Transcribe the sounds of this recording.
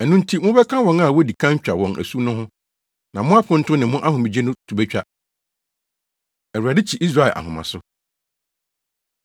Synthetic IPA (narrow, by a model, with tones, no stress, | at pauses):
ɛ˨nʊ̃˦n˦tʰi˦mʊ̃˦bɛ˦kʰã˦wɔ̃˨na˦˨wɔ˦di˨kʰã˦ɲ˦t͡ɕᶣa˨wɔ̃˨ŋʔæ̰˨su˦nʊ̃˦ɦʊ̃˦ | nã˨mʊ̃˦a˦pʰʊ̃˦n̩˦tʊ̃˦nɪ̃˨mʊ̃˦ʔa˦ɦʊ̃˨mĩ˨d͡ʑe˦nʊ̃˦tʰu˨bɛ˦t͡ɕᶣa˦ | ɛ˨wɥa˨dɪ˦t͡ɕʰi˨ʔi˦s̬ɾa˦ɛ˨ʔa̰˨hʊ̃˨mã̰˨sʊ˦